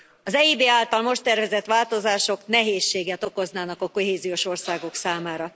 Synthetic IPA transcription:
ɒzɛibeːaːlt̪ɒlmo̞ʃt̪ɛrvɛzɛt̪ʋaːlt̪o̞zaːʃo̞knɛɦeːʃːeːɡɛt̪o̞ko̞znaːnɒkɒko̞ɦeːzijo̞ʃo̞rsaːɡo̞ksaːmaːɾɒ

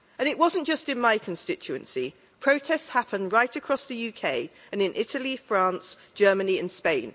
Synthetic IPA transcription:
ə̃nɪʔwɒzə̃nd̥ʒ̥ʌstɪ̃nmaɪkʰə̃nstɪt͡ʃʉə̃nsi | pʰɹ̥əʊtʰɛstshapə̃ndɹaɪtəkʰɹ̥ɒsðəjʉːkʰeɪ | ə̃nɪ̃nʔɪtʰəlifɹɑ̃ˑnsd̥ʒ̥ɜːmə̃niə̃nspẽɪ̃n

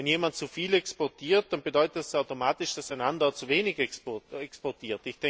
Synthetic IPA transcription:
ɛnjeːmant̚t͡sufiːlɛkspɔɐtʰiːɐt̚d̥anbedɔʏtətɛsaʊtomaːtɪʃd̥asaɪnandɐt͡suveːnɪɡɛkspɔɐtʰiːɐtɪçd̥ɛ

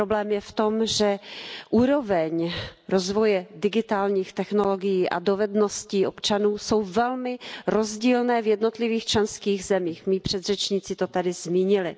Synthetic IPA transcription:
pɾoblɛːmjɛft̪o̞mʒɛʔuːɾo̞vɛɲɾo̞zvo̞jɛdɪɡɪt̪aːlɲiːxt̪ɛxno̞lo̞ɡɪjiːʔa̰do̞vɛdno̞sciːʔo̞pt͡ʃanuːso̞wvɛlmɪɾo̞zɟiːlnɛːvjɛdno̞t̪lɪviːxt͡ʃlɛnskiːɣzɛmiːxmiːpr̝̥ɛd̪r̝ɛt͡ʃɲiːt͡sɪt̪ot̪adɪzmiːɲɪlɪ

